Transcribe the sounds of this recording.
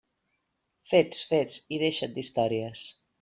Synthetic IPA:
fet̪sfett͡siðeʃət̪̚d̪ist̪ɔɾiəs

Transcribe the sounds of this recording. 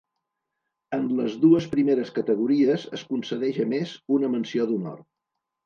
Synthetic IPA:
ənləzðuəspɾimeɾəskət̪əɣ̞uɾiəzə̰skunsəðɛʒəmezunəmənsioðunɔ̰r

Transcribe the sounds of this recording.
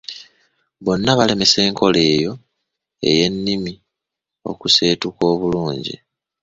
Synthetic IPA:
βo̞nːaβale̞me̞se̞ːŋkʰo̞le̞ːjo̞ | e̞̰je̞nːimi | o̞̰kuse̞ːtuko̞ːβuluːɲɟḭ

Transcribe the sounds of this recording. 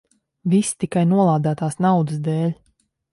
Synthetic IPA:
vist̪ikajnuɔlˠaːd̪aːt̪aːsnawd̪ɨs̬d̪ɛːlʲ

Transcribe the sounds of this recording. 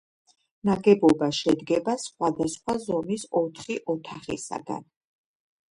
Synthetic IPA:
naɡɛbɔbaʃɛd̪ɡɛbasχwad̪asχwazɔmisɔt̪ʰχiʔɔt̪ʰaχḭsa̰ɡa̰n

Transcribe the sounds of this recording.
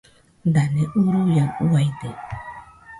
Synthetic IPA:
d̪aneʔuɾujanuajd̪e

